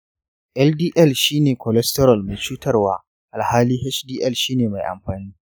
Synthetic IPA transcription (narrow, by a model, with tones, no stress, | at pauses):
ʔɛ˦ldiː˦ʔɛ˦˨lʃiː˦neː˨kʰɔ˨lɛ˦stɛ˦ɾɔ˨lma˨t͡ʃuː˦tɐ˦rwaː˦ | ʔa˨lhaː˦liː˦ɦɛ˦t͡ʃdiː˦ʔɛ˦˨lʃiː˦neː˨ma˨jʔa̰˨mɸaː˨niː˦